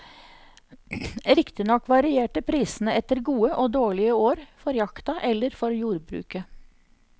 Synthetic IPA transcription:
ɾɪkt̪ɪnɔkːʋɑɾɪeːʈəpʰɾiːsn̩əɛt̪əɾɡuːəʔoːd̪oːɭɪəoːɾfɔɾjɑkt̪ɑʔɛlːəɾfɔɾjuːɾbɾʉ̰ːkə

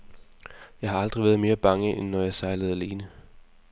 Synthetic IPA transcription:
jɑ̈ɪɦɑ̈ɑ̈ld̥ʁiʋæːɐð̞ˠme̝ːɐb̥ɑ̈ŋəʔenːɒjɑ̈ɪsɑ̈ɪləð̞̩ˠæle̝ːnə

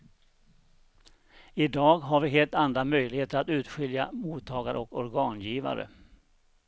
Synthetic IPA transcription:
ɪd̪ɑːɡɦaɾvɪɦeːlt̪and̪ɾamœjlɪɡheːt̪əɾat̪ʉ̟ːt̪ɧɪljamuːt̪ʰːɑːɡaɾə̰ɔkɔɾɡɑːnjiːva̰ɾə̰

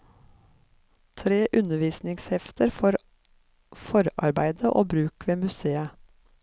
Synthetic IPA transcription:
t̪ʰɾeːʔʉnəʋiːsnɪŋshɛft̪əɾfɔɾ | fɔɾɑ̰ɾbæɪd̪əʔo̰ːbɾʉːkʋeːmʉseːə

